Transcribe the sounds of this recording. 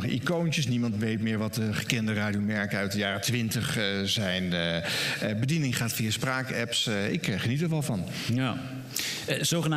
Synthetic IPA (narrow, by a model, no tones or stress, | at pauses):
χʔḭkowntəsnimɑntʋejtmɪːɹʋɑtəχəkɛndəraːdijomɛɹkəœɥt̚dəjaːrətʋɪntəχzɛjn | bədinɪŋχaːtfijaːspraːkɛpsɪ̰kχənitəɹʋɑlˠvɑn | a | zoχəna